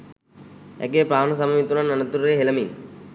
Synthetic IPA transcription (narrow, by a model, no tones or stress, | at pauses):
ɛ̰keːpɾaːnɐs̬ɐmɐmit̪ːunɐnːɐnɐt̪ːuɾɾeɦelɐmin